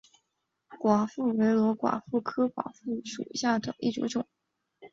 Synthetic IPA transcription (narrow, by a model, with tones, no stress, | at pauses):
kwa˨˩fu˥˩we˧˥ɪlwɔ˧˥kwa̰˨˩fu˥˩kʰɤ˥kwa̰˨˩fu˥˩ʂṵ˨˩ɕja˥˩d̪ə˨˩ʔḭ˥˩ʈ͡ʂṵ˧˥ʈ͡ʂʊ˨˩˦ŋ